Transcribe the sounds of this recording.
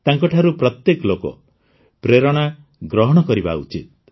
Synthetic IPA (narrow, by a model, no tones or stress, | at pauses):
t̪aŋkɔʈʰaɾupɾɔt̪jekɔlokɔ̰ | pɾeɾɔɽ̃a | ɡɾɔɦɔɽ̃ɔkɔɾiba̰ṵt͡ʃit̪̚